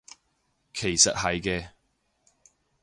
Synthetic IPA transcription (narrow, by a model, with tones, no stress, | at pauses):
kʰe˨˩jsɐ˨t̚ɦɐ˨jkɛː˧